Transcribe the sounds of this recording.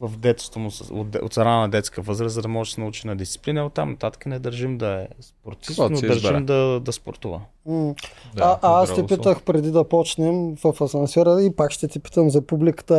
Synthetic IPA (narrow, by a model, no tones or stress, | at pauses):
vfd̪ɛt̪st̪omʊso̰o̰t̪sɐɾanənɐd̪ɛt̪skiəvɤzɾəszɐd̪ɐmɔʒɛsɛnut͡ʃinɐd̪ist̪si̥plinəot̪ːamnɐt̪at̪ə̥kənɛd̪ɐɾʒimd̪ɐɛspoɾt̪isnoɐɾʒimd̪ɐd̪ɐspo̰ɾt̪uvə̰ | aʔaast̪ipit̪əxpɾɛd̪id̪ɐpɔt͡ʃnɛmvɐfɐsɐnsɛɾəipakʃt̪ɛt̪ipi̥t̪əmzɐpublikə̥t̪ə